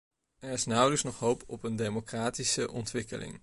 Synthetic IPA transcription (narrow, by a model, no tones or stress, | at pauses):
ɛɹɪsnʌwləksnɔχɦowpɔpəndejmokraːtisəʔɔntʋɪkəlʔɪ̰ŋ